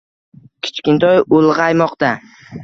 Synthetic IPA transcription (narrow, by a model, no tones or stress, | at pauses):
kʲʰɪ̥t͡ʃkʲɪnt̪ʰɒjolˠʁɑjmɒqt̪a